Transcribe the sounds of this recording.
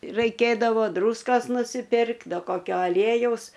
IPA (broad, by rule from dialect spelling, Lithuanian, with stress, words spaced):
rɐɪˈkʲeːdɐʋoː ˈdruːskoːs nʊsʲɪˈpʲɪrk ˈdɐ koːˈkʲoː ɐˈlʲiɛjɛʊs